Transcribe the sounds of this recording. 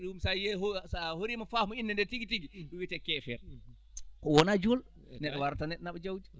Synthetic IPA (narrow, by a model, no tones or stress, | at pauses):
ɗiumsajɛɦosahoɾimafamɔinːɛndɛɾtiɡitiɡiɗumwitɛkːɛfɛɾ | kɔwɔnad͡ʒɔl | nɛɗɔwaɾtanɛɗɔnaɓɔd͡ʒawd͡ʒi